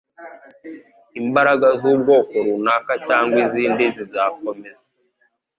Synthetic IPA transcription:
imbaɾaɡazuːbɡo̞ːko̞ɾunakacaːŋɡwiziːndizizaːk̚o̞meze̥

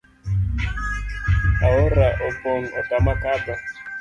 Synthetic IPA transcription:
awoɾaʔɔpɔŋ̩ɔtamakada

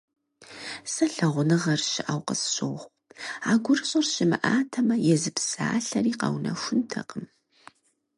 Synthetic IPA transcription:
sɐɬɐʁʷʊnɨʁɐrʃɪʔawqə̰sɕʼowʁʷ | aːɡʷʊrɨɕʼɐrɕɪmɨʔaːtʰɐmɐjɛzɨpsaːɬɐriːqɐ̰wnɐ̰xʷʊntʰɐ̰qʼəm

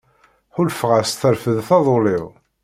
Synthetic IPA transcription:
ħʊlfʁəst̪əɾfəðθɑðˤolɪʁ

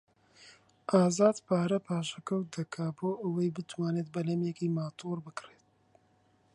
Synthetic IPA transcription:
ʔaːzaːd̪pʰaːɾɐpʰaːʃɐkɐw̚d̪ɐkʰaːboːʔɐwɐjbɨt̪waːneːt̪̚bɐlɐmjɛkiːmaːt̪ʰoːɾbɨkreːt̪̚

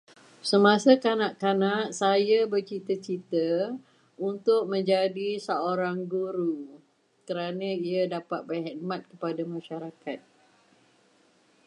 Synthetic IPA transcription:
səmãsakanaʔkanãʔsajabərt͡ʃit̪ət͡ʃit̪ə | unt̪ʊk̚mə̃ɲd͡ʒadisəoɾaŋɡuɾu | kəɾanãiadapat̪̚bərɦit̪̚mãt̪̚kəpadamãʃaɾakat̪̚

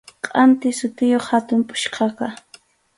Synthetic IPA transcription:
qʼɑnt̪ɪsʊt̪ɪjoχhat̪ʊmpʼʊ̥ʃqɑqɑ

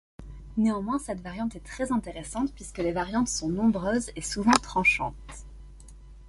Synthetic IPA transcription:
neɑ̃mwɛ̃sɛt̪vaʁjɑ̃t̪ɛt̪χɛzɛ̃t̪eʁesɑ̃t̪pɥiskəlevaʁjɑ̃t̪sɔ̃nɔ̃bʁøːzesuvɑ̃t̪χɑ̃ʃɑ̰̃t̪

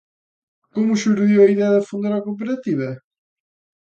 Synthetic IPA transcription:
kumuʃuɾðiwɐiðɛɐðɐfund̪aɾɐkop̬eɾɐt̪ivɐ

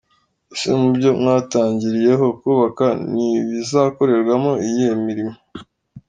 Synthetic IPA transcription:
sḛmubɟo̞mŋaːtaːɲɟiɾije̞ɦo̞kuːβakaniβizako̞ɾe̞ɾɡwamo̞ijemiɾimo

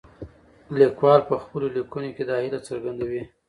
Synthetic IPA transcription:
likwɑlpəxpəlolikunoked̪ɑhilat͡səɾɡand̪awi

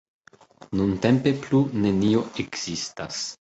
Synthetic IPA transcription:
nuntempe̞plunenioeɡz̥istas

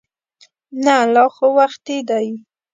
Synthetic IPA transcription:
nalɑxowaxt̪ed̪aji

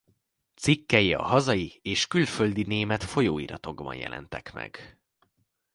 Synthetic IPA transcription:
t̪sikːɛjiɒ̰ɦɒzɒjieːʃkylfø̞ld̪ineːmɛt̪fo̞joːḭɾɒt̪o̞ɡbɒ̰njɛ̰lʔɛ̰nt̪ɛkmɛ̰ɡ̥

